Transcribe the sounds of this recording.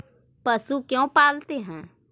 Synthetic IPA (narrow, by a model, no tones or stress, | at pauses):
pəsukjõːpaːlt̪eɦɛ̃ː